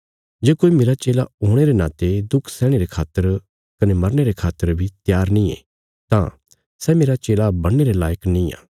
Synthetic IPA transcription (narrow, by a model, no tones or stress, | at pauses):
d͡ʒeːkoːimeːɾat͡ʃeːla̰ɦoːɽ̃eɾena̰ːt̪ed̪ʊkʰsɛːɽ̃eɾekʰaːt̪ːəɾ | kɐnemɐɾneɾekʰaːt̪ːəɾbʱit̪jaːɾnĩḛː | t̪ã̰ | sɛmeːɾat͡ʃeːlabɐɽneɾelaːjəknĩa̰ː